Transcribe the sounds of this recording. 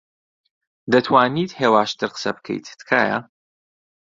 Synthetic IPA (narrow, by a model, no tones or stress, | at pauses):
d̪ɐt̪ʰwaːniːt̪heːwaːʃt̪ɨɾqə̥sɐbɨkʰḛjt̪d̪kʰaːja̰